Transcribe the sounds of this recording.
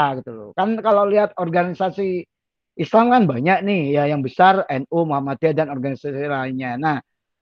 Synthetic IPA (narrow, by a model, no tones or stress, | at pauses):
aɡit̪ulo̰kankalaliɦat̪̚ɔrɡanisasi | ʔislamkanbaɲak̚nɪhjajaŋbəsarɛnomuɦamat̪̚adanɔrɡanisasilainɲanah